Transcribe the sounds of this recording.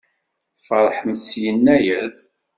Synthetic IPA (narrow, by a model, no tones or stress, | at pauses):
θfəɾˤħəmθsjənːæjəɾ